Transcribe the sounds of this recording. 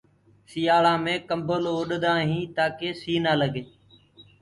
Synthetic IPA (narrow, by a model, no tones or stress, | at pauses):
siːjaːɭãːmẽːkəmbəlːʊɗd̪ãːɦĩːt̪aːkeːsiːnaːləɡeː